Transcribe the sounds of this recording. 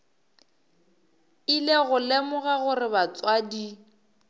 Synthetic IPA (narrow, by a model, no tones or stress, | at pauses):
ileɣʊlemʊɣaɣʊrɪbat͡sʼwadi